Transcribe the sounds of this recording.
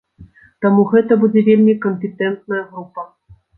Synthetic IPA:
t̪amuɣɛt̪ɐbud͡zʲɛvʲelʲmʲikəmʲpʲet̪ɛnt̪̚nɐjɐɣɾupːɐ

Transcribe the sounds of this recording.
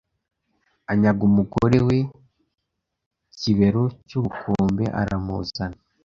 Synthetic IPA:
aɲaɡumuɡoɾewe | ciβe̞ɾocuβukʰoːmbḛʔa̰ɾamṵːzana

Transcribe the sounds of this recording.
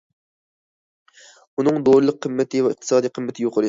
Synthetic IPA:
unɨŋd̪oɾɨlˠəqʰːəmːɪt̪ʰɪvɛɨqt̪ɨ̥sɑːd̪ijqʰəmːɪt̪ʰɪjoqʰəɾ

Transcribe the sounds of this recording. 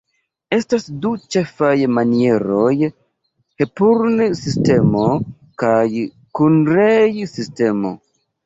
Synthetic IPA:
e̞stasdut͡ʃe̞fajmanie̞ɾo̞j | he̞puɾnsiste̞mo̞ | kaj | kunɾejsiste̞mo̞̰

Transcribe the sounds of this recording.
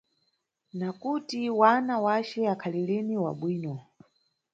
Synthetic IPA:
nakutiwanawat͡ʃɛakʰaliliniwa̰ɓwiːnɔ

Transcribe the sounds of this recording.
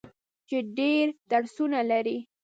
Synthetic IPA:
t͡ʃeɖeɾd̪̥aɽsunalaɾi

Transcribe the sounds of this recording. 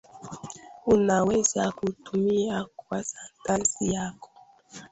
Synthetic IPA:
unawezakutumiakwasan̩tansijakɔ

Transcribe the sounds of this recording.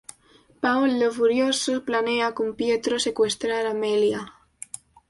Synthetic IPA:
pawlːeβuɾjosoplaneakumpjet̪ɾosekwest̪ɾaɾamelja

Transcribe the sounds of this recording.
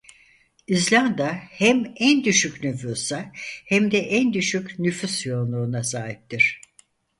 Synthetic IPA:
izlʲand̪ahæmænd̪yʃyknyfusahæmd̪ɛʔænd̪yʃycnyfysjo̞lˠnd̪uunasaːɦip̚t̪ʰiɾ̝̥

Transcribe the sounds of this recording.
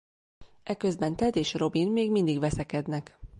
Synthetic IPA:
ɛkøzbɛnt̪ɛd̪eːʃro̞binmeːɡmind̪iɡʋɛsɛkɛd̪nɛk

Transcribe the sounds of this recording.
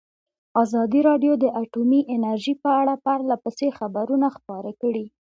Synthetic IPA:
ɑzɑd̪iɾɑɖjod̪əʔaʈumiʔɪnaɾʒipəaɽapaɾlapəsexabaɾunaxpɑɾakəɽi

